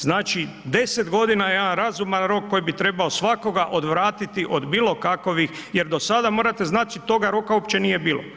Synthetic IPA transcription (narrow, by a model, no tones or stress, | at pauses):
znaːt͡ʃi | d̪e̞sed̪ɡo̞d̪inajed̪anɾazumanɾo̞kːo̞jibit̪ɾe̞baosʋako̞ɡaʔo̞d̪ʋɾaːt̪it̪iʔo̞d̪biːlo̞kakoʋixje̞ɾd̪o̞sad̪amo̞ːɾat̪e̞znaːt͡ʃit̪o̞ɡaɾo̞kaopt͡ʃe̞nije̞biːlo̞̰